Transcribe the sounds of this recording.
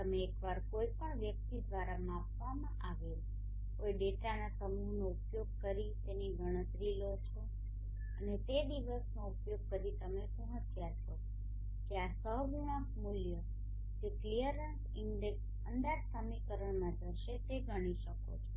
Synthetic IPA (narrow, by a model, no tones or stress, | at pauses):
t̪əmeːkʋaɾkoipəɳʋjək̚t̪id̪ʋaɾamãpʋamãʔaʋe | kojɖeʈanasəmunoupjoɡ̚kəɾit̪eneɡʱəɽ̃ət̪ɾilot͡ʃʰo | ənet̪ed̪iʋəsnoupjoɡ̚kəɾit̪əmeʃũɦət̪ʰjat͡ʃʰo | keasəɦɡuɽ̃əkmuljə | d͡ʒeklijəɾənsɪɳɖeks | ənd̪ad͡ʒsəmikəɾəɳmãd͡ʒəɾʃet̪eɡəɽ̃iʃəko̰t͡ʃʰo